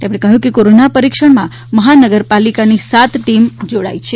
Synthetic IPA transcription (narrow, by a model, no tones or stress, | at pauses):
t̪emɳ̃ekəɦjũkekoɾonapəɾikʃəɽmã | məɦanəɡəɾpalikanisat̪ʰʈimd͡ʒoɽa̰it͡ʃʰe